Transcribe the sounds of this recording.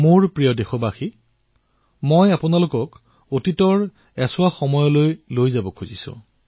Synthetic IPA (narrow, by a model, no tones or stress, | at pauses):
moɹpɹijɔdexɔbaxi | mojapʊnalʊkɔk | otitɔɹ | ɛsʊwaxɔmɔjɔlojlojzabɔkʰuzisʊ̰̃